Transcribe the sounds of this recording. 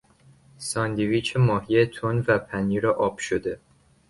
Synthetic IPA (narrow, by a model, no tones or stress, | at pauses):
sɒːnd̪iviːt͡ʃʰemɒːɦiet̪ʰonvæpʰæniːɾɒʔɒːb̥ʃod̪e